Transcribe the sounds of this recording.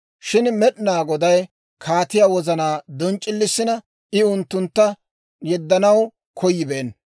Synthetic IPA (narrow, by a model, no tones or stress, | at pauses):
ʃɪnmɛɗɪnaːɡɔd̪ɐj | kʰaːt̪ɪjaːwɔzɐnaːd̪ɔnt͡ʃʼːɪlːɪsːɪnɐ | ɪʊnt̪ːʊnt̪ːɐ | jɛd̪ːɐnɐw | kʰɔjɪbe̞ːn